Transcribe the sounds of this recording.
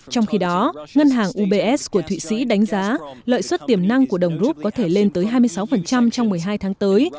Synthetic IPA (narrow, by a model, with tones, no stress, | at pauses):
t͡ɕɔ˧wŋ͡mxi˧ɗɔ˨˦ŋə˧nɦaː˨˩ŋʔu˧ɓe˧ʔɛ˦˥s̚ku˧˩ət̪ʰwḭ˧˨sḭ˧˥ɗa˨˦jŋ̟zaː˨˦lə̰ː˧˨jswə˦˥t̚t̪i˨˩əmna˧ŋku˧˩əɗə˨˩wŋ͡mzu˦˥p̚kɔ˨˦t̪ʰe˧˩le˧nt̪əː˨˦jɦaː˧jmɨ˧əjsa˨˦wfə˨˩nt͡ɕa˧mt͡ɕɔ˧wŋ͡mmɨ˨˩əjɦaː˧jt̪ʰaː˨˦ŋt̪əː˨˦j